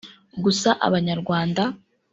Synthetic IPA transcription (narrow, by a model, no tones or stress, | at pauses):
ɡusaʔa̰βaɲaɾɡwaːnda